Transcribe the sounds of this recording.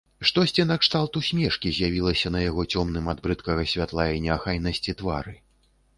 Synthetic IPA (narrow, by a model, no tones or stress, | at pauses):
ʂt̪ɔsʲt͡sʲinɐkʂt̪alˠt̪usʲmʲɛʂkʲizʲjavʲilˠɐsʲɐnɐjaɣɔt͡sʲɔmnɨmad̪̚bɾɨt̪kɐɣɐsʲvʲat̪lˠajɐnʲɛaxajnɐsʲt͡sʲit̪va̰ɾɨ